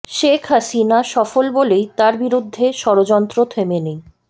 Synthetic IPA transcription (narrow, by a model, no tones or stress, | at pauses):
ʃekʰɦasinaʃɔfolbolejt̪aɾbiɾud̪ʱːeʃɔɾod͡ʑɔnt̪ɾot̪ʰemenej